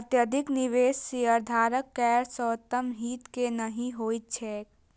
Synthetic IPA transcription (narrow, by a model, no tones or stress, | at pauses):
ɐt̪jəd̪ʱɪknɪʋeːʃseəɾd̪ʱaːɾəkːɛːɾsəːt̪ːəmɦiːt̪kenəɦĩɦoːit̪t͡ʃʰɛː